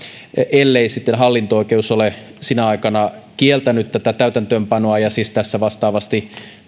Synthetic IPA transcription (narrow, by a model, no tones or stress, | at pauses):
elːeisit̪ːenɦɑlːint̪ooikeusolesinæɑikɑnɑkielt̪ænyt̪t̪æt̪æt̪æyt̪ænt̪øːmpɑnoɑjɑsiːst̪æsːæʋɑst̪ɑːʋɑst̪i